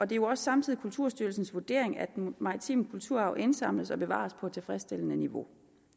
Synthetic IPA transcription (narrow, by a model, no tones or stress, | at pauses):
ɒ̽d̥e̝jo̝ɒ̽ssɑ̈mt͡sʰiðˠikʰult͡sʰuɐ̰sd̥yɐl̩sn̩sʋuɐd̥e̝ɐ̰eŋæd̥emɑ̈ʁit͡sʰḭːməkʰult͡sʰuɐɑ̈ʊʔe̝nsɑ̈m̰ləsɒ̽b̥e̝ʋɑ̰̈spʰɒ̽t͡sʰe̝lfʁɛsd̥el̰ənəniʋo̝